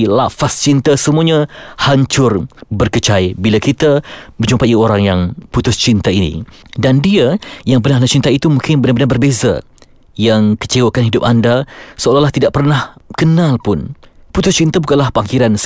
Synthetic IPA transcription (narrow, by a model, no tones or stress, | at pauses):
la̰fast͡ʃint̪asəmuaɲãhaɲt͡ʃʊrbərkət͡ʃaibilakit̪aməd͡ʒumpaioɾaŋjaŋput̪ʊst͡ʃint̪ainḭ̃dandiajaŋpərnaɦlat͡ʃint̪aiit̪umũŋkɪnbənabənabərbeza̰ | jaŋkə̥t͡ʃewakanɦidʊp̚andasəolahlaht̪idaʔpərnahkənãlpʊnput̪ʊst͡ʃint̪abukanlahpakiɾans